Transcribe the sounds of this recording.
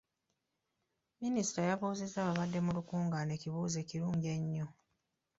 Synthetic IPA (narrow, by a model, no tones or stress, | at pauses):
minisi̥tajaβoːzezːaːβaβadːe̞mulukuːŋɡane̞ːciβuːze̞ːciɾuːɲɟe̞ɲːo